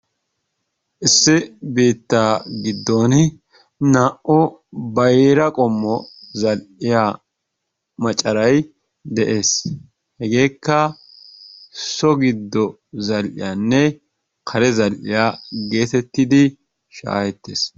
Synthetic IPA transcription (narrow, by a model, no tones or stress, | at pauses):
ʔɪsːɪbeːt̪ːaːɡɪd̪ːoːn | naːʔɔbɐjɾɐkʼɔmːɔzɐlʔɪjaː | mɐt͡ʃʼːɐɾɐj | d̪ɛʔe̞ːs | hɛɡe̞ːkːɐ | sɔɡɪd̪ːɔ | zɐlʔɪ̰jaːnːɛ | kʰɐɾɛzɐlʔɪjaːɡe̞ːt̪ɛt̪ːɪd̪ɪ | ʃa̰ːhɛt̪ːeːs